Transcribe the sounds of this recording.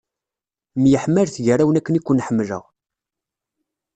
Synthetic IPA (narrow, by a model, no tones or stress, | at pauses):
mjəħmːælθʝəræwənækːənikʷːənːħəmːlə̰ʁ